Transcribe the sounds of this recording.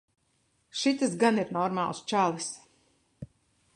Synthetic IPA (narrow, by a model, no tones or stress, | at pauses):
ʃit̪asɡaniɾnɔɾma̰ːlˠst͡ʃalˠis